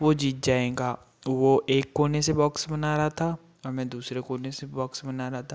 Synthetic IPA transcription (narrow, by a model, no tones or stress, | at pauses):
ʋod͡ʒiːt̪̚d͡ʒaːẽːɡaː | ʋoʔeːkːoːnesebɔːksbɐnaːɾaɦat̪ʰa | ɔːɾmɛ̃ːd̪uːsɾekoːnesebɔːksbɐnaːɾaɦat̪ʰa